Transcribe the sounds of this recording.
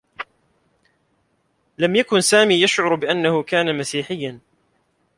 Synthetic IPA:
lamjakʊnsaːmiːjaʃʕʊɾbɪʔanːahʊkaːnamasiːħɪjːan

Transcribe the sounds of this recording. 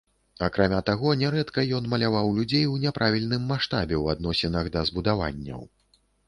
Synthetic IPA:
akɾamʲat̪aɣɔnʲɛɾɛt̪kɐjɔnmɐlʲavawlʲud͡zʲejwnʲɛpɾʔavʲilʲnɨmːaʂt̪abʲɛwad̪̚nɔsʲɛnɐɣd̪ɐzbud̪ava̰nʲːɐ̰w

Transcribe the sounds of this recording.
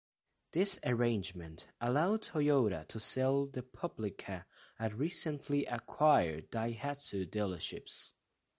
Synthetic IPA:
ðɪsə˞ẽɪ̃nd͡ʒmɨ̃ntəlaʊd̚tʰojoʊɾə̰tʰəsɛlˠðɨpʰʌblɪkʰəɨdɹisə̃nliʔəkʰw̥aɪə̰˞daɪhætɨdɛlˠə˞ʃɪ̰ps

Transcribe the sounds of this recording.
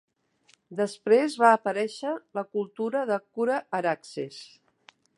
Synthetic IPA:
d̪əspɾezβaəpəɾɛʃələkulˠt̪uɾəðəkuɾəːɾakses

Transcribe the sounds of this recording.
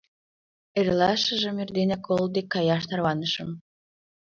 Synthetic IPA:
eɾʲlɑʃəʒə̆merd̪enækolˠd̪ekːɑjɑʃt̪ɑrβɑnəʃə̆m

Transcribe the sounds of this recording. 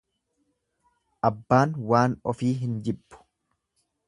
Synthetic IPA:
ʔɐbːaːnwaːnɔfiːɦɪnd͡ʒɪbːʊ̥

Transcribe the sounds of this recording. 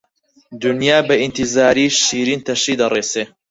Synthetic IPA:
d̪unjaːbɐʔint̪izaːɾiːʃiːɾint̪ʰɐʃiːd̪ɐreːseː

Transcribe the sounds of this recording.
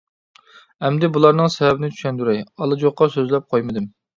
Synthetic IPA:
ɛmd̪ɛbulˠɑɾnɨŋsɛvɛbɪnɪt͡ʃ̪ʰy̥ʃɛnd̪yɾɛjɑlˠɨd͡ʒoqːɑsøzlɛp̚qʰojmɨd̪ɨm

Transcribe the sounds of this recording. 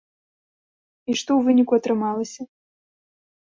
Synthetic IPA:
iʂt̪ɔwvɨnʲikuɐt̪ɾɨmalˠɐsʲɐ

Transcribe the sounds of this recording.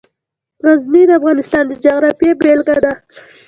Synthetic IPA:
ɣaznid̪əafɣɑnɪst̪ɑnd̪əd͡ʒaɣɾapjebelɡad̪a

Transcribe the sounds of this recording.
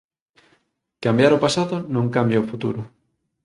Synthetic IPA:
kambjaɾopasaðʊnõŋkambjaofut̪uɾʊ

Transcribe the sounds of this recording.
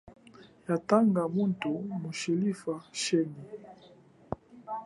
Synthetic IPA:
jataŋɡamuntumoʃilifaʃɛni

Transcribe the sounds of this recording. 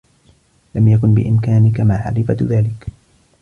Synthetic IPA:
lamjakʊnbɪ̰ʔɪmkaːnɪkamaːʕa̰lɪfa̰ðaːlɪk

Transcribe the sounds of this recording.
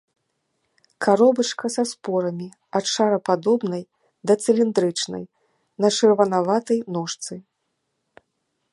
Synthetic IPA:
kʰaɾɔbɐt͡ʂkɐsaspɔɾɐmʲi | ɐtʂaɾɐpad̪ɔbnɐj | d̪ɐt̪sɨlʲind̪ɾɨt͡ʂnɐ̰j | nɐt͡ʂɨrvɐnavat̪ɐjnɔʂt̪sɨ

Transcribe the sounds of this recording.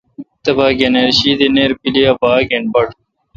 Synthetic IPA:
t̪ɐbaːɡeneɾɕid̪eneɾpiliɐbaːɡenbɐʈ

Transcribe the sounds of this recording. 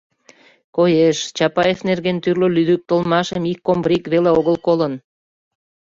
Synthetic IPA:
kojeʃt͡ɕɑpɑjefnerɣent̪yrlolyd̪yk̚t̪əlmɑʃəmikːombɾikβeleoɣəlkolən

